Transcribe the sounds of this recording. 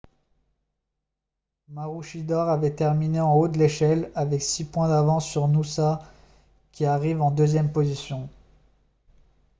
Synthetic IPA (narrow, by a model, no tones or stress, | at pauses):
maʁuʃid̪ɔʁavɛt̪ɛʁmineɑ̃od̪əleʃɛlavɛksipwɛ̃d̪avɑ̃sːyʁnusa | kʲiaʁivɑ̃d̪øzjɛmpozisjɔ̃